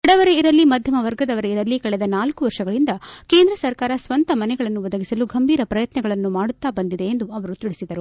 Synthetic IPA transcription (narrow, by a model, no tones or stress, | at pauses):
ɐɽɐʋɐɾe̞iɾɐlːimɐd̪ʱjɐmɐʋɐɾɡɐd̪ɐʋɐɾe̞iɾɐlːikɐɭɛd̪ɐnaːlkuʋɐɾʂɐɡɐɭind̪ɐke̞ːnd̪ɾɐsɐɾkaːɾɐsʋɐnt̪ɐmɐnɛɡɐɭɐnːuʋɐd̪ɐɡisɐluɡʱɐmbiːɾɐpɾɐjɐt̪nɐɡɐɭɐnːumaːɽut̪ːaːbɐnd̪id̪e̞ːnd̪uɐʋɐɾut̪iɭisid̪ɐɾu